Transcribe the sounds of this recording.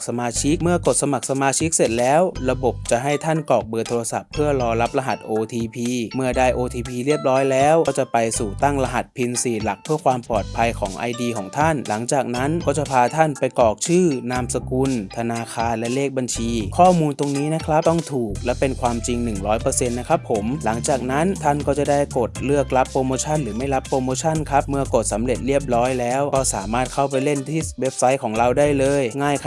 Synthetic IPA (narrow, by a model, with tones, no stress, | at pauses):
k̚sa˧maː˧t͡ɕʰi˦˥k̚mɯ˥˩ɐko˨˩t̪̚sa˧ma˨˩k̚sa˧maː˧t͡ɕʰi˦˥k̚se˨˩t̪̚lɛː˦˥wɾa˧bo˨˩p̚t͡ɕa˨˩ɦa˥˩jt̪ʰa˥˩nkɔː˨˩k̚bɤː˧t̪ʰoː˧ɾa˧sa̰˨˩pʰːɯ˥˩ɐɾɔː˧ɾa˦˥p̚la˧ɦa˨˩t̪̚ʔoː˧t̪ʰiː˧pʰiː˧mɯ˥˩ədaː˧˩jʔoː˧t̪ʰiː˧pʰiː˧ɾi˥˩əp̚ɾɔː˦˥jlɛː˦˥wɔ˥˩t͡ɕa˨˩pa˧jsuː˨˩t̪a˥˩ŋla˧ɦa˨˩t̪̚pʰi˧nsiː˨˩la˨˩k̚pʰɯ˥˩əkʰwaː˧mpɔː˨˩t̪̚pʰa˧jkʰɔː˩˦ŋʔa̰˧jdiː˧kʰɔː˩˦ŋt̪ʰa˥˩nla˩˦ŋt͡ɕaː˨˩k̚na˦˥nkɔː˥˩t͡ɕa˨˩pʰaː˧t̪ʰa˥˩npa˧jkɔː˨˩k̚t͡ɕʰɯː˥˩naː˧msa˧ku˧nt̪ʰa˧naː˧kʰaː˧nlɛ˦˥leː˥˩k̚ba˧nt͡ɕʰiː˧kʰɔː˥˩muː˧nt̪o˧ŋniː˦˥na˦˥kʰɾa˦˥p̚t̪ɔ˥˩ŋt̪ʰuː˨˩k̚lɛ˦˥wpe˧nkʰwaː˧mt͡ɕi˧ŋnɯ˨˩ŋɾɔː˦˥jpɤː˧se˧nːa˦˥kʰa˦˥pʰːo˩˦mla˩˦ŋt͡ɕaː˨˩k̚na˦˥nt̪ʰa˥˩nkɔː˥˩t͡ɕa˨˩daː˥˩jko˨˩t̪̚lɯ˥˩ək̚la˦˥pːɾoː˧moː˧t͡ɕʰa˥˩nɾɯː˩˦ma˥˩jla˦˥pːɾoː˧moː˧t͡ɕʰa˥˩nkʰa˦˥p̚mɯ˧ɐko˨˩t̪̚sa˩˦mle˨˩t̪̚ɾi˥˩əp̚ɾɔː˦˥jlɛː˦˥wkɔː˥˩saː˩˦maː˥˩t̪̚kʰa˥˩wpa˧jle˥˩nt̪ʰiː˥˩we˦˥p̚sa˦˥jkʰɔː˩˦ŋɾa˧wdaː˥˩jlɤː˧jŋaː˥˩jkʰa˥